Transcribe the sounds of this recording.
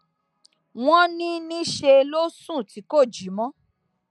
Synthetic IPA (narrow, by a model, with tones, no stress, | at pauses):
w̃ɔ̃˦nĩ˦nĩ˦ʃe˧lo˦sũ˦˨ti˨˦ko˦˨d͡ʒi˨˦mɔ̃˦